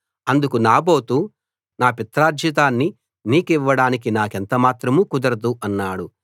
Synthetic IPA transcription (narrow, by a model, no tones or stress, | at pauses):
ɐnd̪ukunaːboːt̪uː | naːpit̪ɾaːd͡ʒjɐt̪̬aːnːi | niːkiʋːɐɽaːnik̬inaːkent̪ɐmaːt̪ɾɐmuːkud̪ɐɾɐd̪uʔɐnːaːɽu